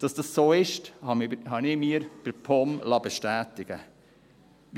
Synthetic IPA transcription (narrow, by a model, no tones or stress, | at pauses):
d̥ɑsd̥ɑssoːɪʃthɑhɑnɪmiːɾb̥əɾpʰɔmlɑbeʃtæːtɪɡ̥ə